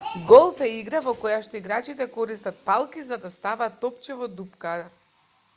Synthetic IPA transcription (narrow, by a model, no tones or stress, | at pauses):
ɡɔlˠfɛiɡɾavɔkɔjaʃt̪ɔiɡɾat͡ʃit̪ɛkɔɾist̪at̪̚palˠkizad̪ast̪avat̪ːɔpt͡ʃɛvɔd̪upka